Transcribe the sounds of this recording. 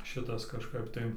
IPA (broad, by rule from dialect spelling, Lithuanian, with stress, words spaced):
ˈʃʲɪtɐs kɐʃˈkɐp tɐɪ